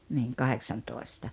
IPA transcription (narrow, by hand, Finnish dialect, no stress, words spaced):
niːŋ kɑheksɑntoˑestɑ